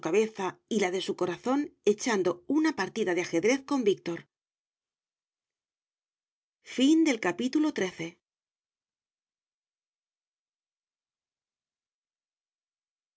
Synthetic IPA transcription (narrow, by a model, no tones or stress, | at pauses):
kaβe̞θailað̞e̞suko̞ɾaθo̞ne̞t͡ʃand̪o̞unapaɾt̪iðaðeaxe̞ðɾe̞θko̞mbik̚t̪o̞ɾ | find̪e̞lkapit̪ulo̞t̪ɾe̞θe̞